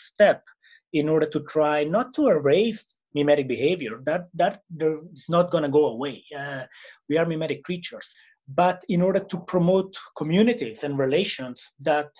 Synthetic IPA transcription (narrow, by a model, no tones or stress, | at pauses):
st̪ɛp | ĩnɔɹdəɹt̪ut̪ʰɹajnɔt̪ʰːuəɹeɪs | mjumɛɾɪk̚bihevjəɹd̪æt̚d̪æt̚dɛɪsnɔt̪̚ɡɔnaɡoəweɪ | wiaɹmjumɛɾikʰːɹit͡ʃəɹs | bat̪ĩnɔɹdəɹt̪upʰɹɔmot̪kʰɔmjunɪt̪izɛ̃nɹileʃɔ̃nsd̪æt̪